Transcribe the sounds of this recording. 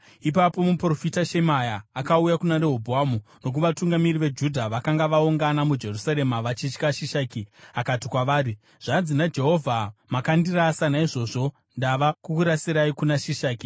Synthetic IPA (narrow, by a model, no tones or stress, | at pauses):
ipapo̞mupro̞fitaʃemajaːkaujakunaɾeɦobʱoaːmuno̞k̬uʋatuŋɡamiriʋe̞d͡ʒudʱaʋakaŋɡaʋauŋɡanamud͡ʒe̞rusaɾe̞maʋat͡ʃit͡ʃkaʃiʃaːkiakatikwaʋaːri | ʐ̥ad͡zinad͡ʒe̞ɦo̞vʱamakandirasanaiʐo̞ːʐo̞ | ndaʋakukuɾasiɾaikunaʃiʃaːki